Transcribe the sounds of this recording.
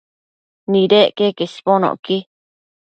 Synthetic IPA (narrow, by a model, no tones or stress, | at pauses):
nĩɾeʔkekesponõ̰ki